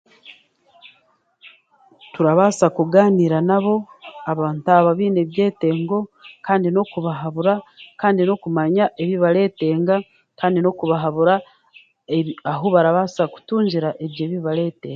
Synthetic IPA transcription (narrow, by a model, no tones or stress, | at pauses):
tuɾaβaːsakuɡaːniɾanaβo̞aβaːntaβaβiːne̞βje̞ːte̞ːŋɡo̞kaːndino̞kuβaɦaβuɾakaːndino̞kumaɲaʔe̞βiβale̞ːte̞ːŋɡa | kaːndino̞kuβaɦaβuɾa | eβaɦoβaɾaβaːsaku̥tuːɲɟiɾaʔe̞βje̞ːβiβale̞ːte̞̰ːŋa